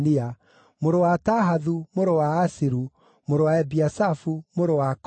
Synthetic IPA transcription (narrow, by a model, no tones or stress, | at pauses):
nia | moɾowataɦaðumoɾowaːsiɾu | moɾowaɛbiasafumoɾowak